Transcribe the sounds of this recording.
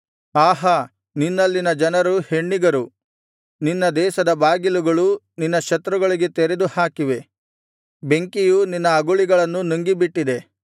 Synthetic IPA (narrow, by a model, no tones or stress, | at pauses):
aːɦɐ | ninːɐlːinɐd͡ʒɐnɐɾuhe̞ɳːiɡɐɾu | ninːɐd̪ɛːʃɐd̪ɐbaːɡiluɡɐɭu | ninːɐʃɐt̪ɾuɡɐɭiɡet̪eɾe̞d̪uhaːkiʋe̞ | be̞ŋkijuninːɐːɡuɭiɡɐɭɐnːunuŋɡibiʈːid̪e̞